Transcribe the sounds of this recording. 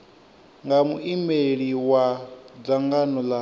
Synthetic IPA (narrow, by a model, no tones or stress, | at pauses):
ŋɡamuʔimeɺiwad͡zaŋɡanɔla